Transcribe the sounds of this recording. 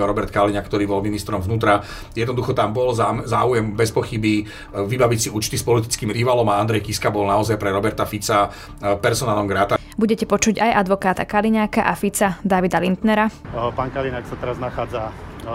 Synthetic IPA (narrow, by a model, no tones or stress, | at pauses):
aɾɔbɛɾt̪kaliɲakːt̪ɔɾiːbɔlminist̪ɾɔmvnuːt̪ɾa | jɛd̪nɔd̪uxɔt̪ambɔlzaːujɛmbɛspɔxibi | ʋibaʋicsiuːt͡ʃt̪ispɔlit̪i̥t͡skiːmɾiʋalɔmaand̪ɾɛjkiskabɔlnaɔzajpɾɛɾɔbɛɾt̪afit͡sa | pɛɾsɔnaːlɔmɡɾaːt̪a | buɟɛcɛpɔt͡ʃuɟajʔad̪ʋɔkaːt̪akaliɲakaʔafit͡sad̪aʋid̪alint̪nɛɾapaːnkaliɲaksat̪ɛɾaznaxaːd͡za